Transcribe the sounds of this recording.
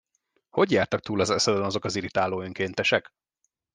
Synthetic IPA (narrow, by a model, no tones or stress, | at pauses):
ho̞ɟjaːrt̪ɒk̚t̪uːlɒzɛsɛd̪ɛnɒzo̞kɒziɾit̪aːloːøŋkeːnt̪ɛʃɛk